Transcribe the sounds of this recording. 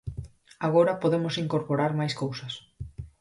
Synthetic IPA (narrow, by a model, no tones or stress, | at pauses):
aɣ̞oɾɐpoðemosiŋkoɾpoɾaɾmajskowsɐs